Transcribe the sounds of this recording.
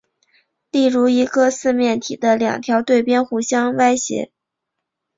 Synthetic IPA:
li˥˩ɻu˧˥i˧˥ɡɤ˧sɹ̩˥˧mjɛ˥˩nt̪ʰi˨˩d̪ə˦ljɑ̰˨˩ŋt̪ʰjɑ˧˥ʊt̪we˥˩ɪpjɛ˥nxu˧˥ɕjɑ˥ŋwa˥ɪɕjɛ̰˧˥

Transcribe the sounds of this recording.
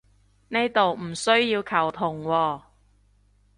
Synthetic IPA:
ne˥jt̪o˨wm̩˨˩sɵ˥ɥjiː˧wkʰɐ˨˩wt̪ʰʊ˨˩ŋwɔː˧

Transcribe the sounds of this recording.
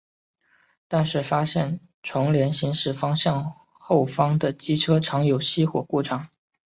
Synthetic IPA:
t̪a˥˧nʂɻ̩˥˩fa˥ɕjɛ˥˩n | ʈ͡ʂʰʊ˧˥ŋljɛ˧˥nɕi˧˥ŋʂɻ̩˥˩fɑ˥ŋɕjɑ˥˧ŋ | xo˥˩ʊfɑ˥ŋd̪ə˨t͡ɕi˥ʈ͡ʂʰɤ˥ʈ͡ʂʰɑ˧˥ŋjo˨˩ʊɕi˥xwɔ̰˨˩ku˥˩ʈ͡ʂʰɑ˨˩˦ŋ

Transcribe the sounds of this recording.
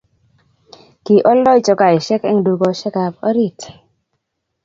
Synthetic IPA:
ki˨ʔɔ˦lɔ˦i˦t͡ʃɔ˨ka˨i˨ʃɛ˦kɛ˦ŋdu˨ɡo˦ʃɛ˦ka˨pɔ˦ɾi˨t

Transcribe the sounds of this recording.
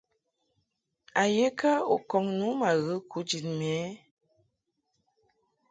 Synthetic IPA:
a˨je˦ka˦o˨kɔ˨ŋnu˨˦ma˨ɣə˨˦kʰu˨˦d͡ʒi˨nmɛ˨˦

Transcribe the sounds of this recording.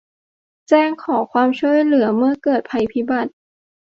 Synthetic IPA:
t͡ɕɛː˥˩ŋkʰɔː˩˦kʰwaː˧mt͡ɕʰu˥˩əjlɯ˩˦ɐmɯ˥˩ɐkɤː˨˩t̪̚pʰa˧jpʰi˦˥ba˨˩t̪̚

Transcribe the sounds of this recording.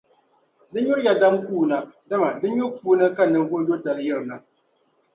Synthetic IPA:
dɨ˦ɲʊ˦ɾja˨da˦mkuː˦˨na˨da˦ma˨dɨ˦ɲo˦puː˦nɨ˦ka˦˨nɨ˨ɱ˦vo˦jo˦ta˨ljɪ˦ɾɨ˨na˨

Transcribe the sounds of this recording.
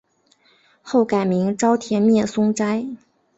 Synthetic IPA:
xo˥˩ʊka˨˩ɪmi˧˥ŋʈ͡ʂɑ˥ʊt̪ʰjɛ˧˥nmjɛ˥˩sʊ˥ŋʈ͡ʂa˥ɪ

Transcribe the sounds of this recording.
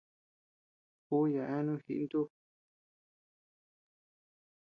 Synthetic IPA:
ku˦ja˨ʔẽ˦nũ˦xḭ˧ʔnd̪u˦

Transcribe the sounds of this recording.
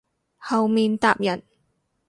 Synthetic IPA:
hɐ˨wmiː˨nt̪aː˨p̚jɐ˨˩n

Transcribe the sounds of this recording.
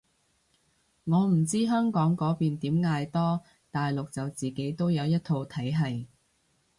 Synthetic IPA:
ŋɔː˨˧m̩˨˩t͡siː˥ɦœː˥ŋkɔː˨˥ŋkɔː˨˥piː˨nt̪iː˨˥mŋaː˧jt̪ɔː˥ | t̪aː˨jlʊ˨k̚t͡sɐ˨wt͡siː˨ke˨˥jt̪o˥wjɐ˨˧wjɐ˥t̚t̪ʰo˧wt̪ʰɐ˨˥jɦɐ˨j

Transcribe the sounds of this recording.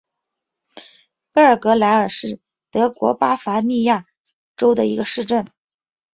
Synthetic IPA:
pe˥ə˞˨˩kɤ˧˥la˧˥ɪə˞˨˩ʂɻ̩˥˩ | t̪ɤ˧˥kwɔ̰˧˥pa˥fa˧˥ni˥˧ja˥˩ | ʈ͡ʂo˥ʊd̪ə˨i˧˥ɡə˧ʂɻ̩˥˧ʈ͡ʂə˥˩n

